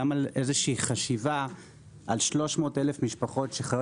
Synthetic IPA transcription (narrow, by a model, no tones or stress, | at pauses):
amalezeʃiːχaʃiva | ʔalʃlo̞ʃmo̞ːtelefmiʃpaχo̞tʃeχa